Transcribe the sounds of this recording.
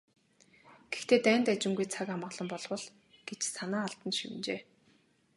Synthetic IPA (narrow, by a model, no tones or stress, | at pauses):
ɡ̥ext̪ʰeːt̪æːnt̪at͡ɕɪ̆ŋɡujt͡sʰakamə̆ʁɮɞ̆mpɔɮwə̆ɮ̥ | ɡ̥et͡ɕsanaːaɮt̪ə̆nʃiwɘ̆nt͡ɕḛː